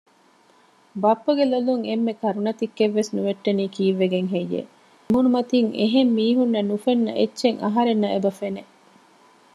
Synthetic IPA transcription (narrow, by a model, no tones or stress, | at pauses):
bɐpːɐɡeloluŋemːekɐɾunɐt̪ikːeʋːesnuʋeʈːeniːkiːʋːeɡeŋɦejːḛ | munumɐt̪iŋḛɦemːiːɦunːɐnufenːɐ̰ʔetːʃeŋʔɐ̰ɦɐɾenːɐʔebɐfene